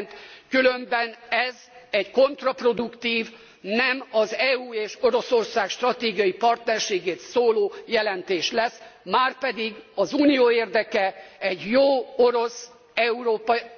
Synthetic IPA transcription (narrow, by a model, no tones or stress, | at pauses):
nt̪kylømbɛnɛz | ɛɟko̞nt̪rɒpro̞d̪ukt̪iːv | nɛmɒzɛːuːeːʃo̞ɾo̞so̞rsaːkʃt̪rɒt̪eːɡijɒjipɒrt̪nɛrʃeːɡeːt̪soːloːjɛlɛnt̪eːʃlɛsmaːrpɛd̪iɡɒzuːnijoːeːrd̪ɛkɛɛɟjoːoɾo̞s | ɛuɾoːp